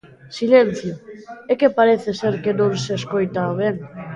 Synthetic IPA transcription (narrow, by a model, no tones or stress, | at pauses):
silen̟θjʊekepaɾeθeseɾkenõŋseskojt̪aoβ̞eŋ